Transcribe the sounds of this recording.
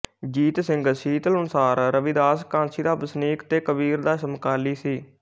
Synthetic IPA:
d͡ʒiːt̪sɪ̃ŋɡsiːt̪əlʊnsaːɾɾəʋid̪aːskãːnsiːd̪aːbəsniːkt̪eːkəbiːɾd̪aːsəmkaːliːsiː

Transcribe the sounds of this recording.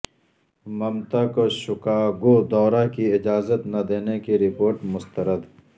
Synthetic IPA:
mɐmt̪ɐkoʃʊkaːɡod̪ɔːɾakiɪd͡ʒaːzət̪nad̪eːnekiɾɪpoːɾʈmʊst̪ɐɾəd̪

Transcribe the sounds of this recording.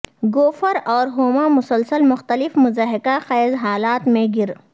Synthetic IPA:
ɡoːfəɾɔːɾɦoːmamʊsəlsəlmʊxt̪əlɪfmʊzaːɦɪkaxɛːzɦaːlaːt̪mẽɡɪɾ

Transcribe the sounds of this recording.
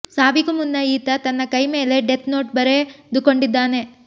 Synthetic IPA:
saːbiɡumunːɐiːt̪ɐt̪ɐnːɐkɐjme̞ːle̞ɖet̪ʰnoːʈbɐɾed̪ukoɳɖid̪ːaːne̞

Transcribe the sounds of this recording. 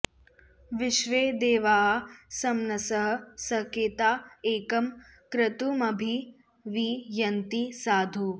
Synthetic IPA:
ʋɪʃʋeːd̪eːʋaːɦasɐmnɐsɐɦɐ̆sɐkeːt̪aːeːkɐm | kɾɐt̪umɐbʱi | ʋijɐnt̪isaːd̪ʱu

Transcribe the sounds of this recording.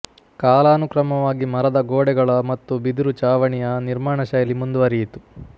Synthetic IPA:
kaːlaːnukɾɐmɐʋaːɡimɐɾɐd̪ɐɡoːɽɛɡɐɭɐmɐt̪ːubid̪uɾut͡ʃaːʋɐɳijɐniɾmaːɳɐʃɐːjɐlimund̪uʋɐɾijit̪u̥

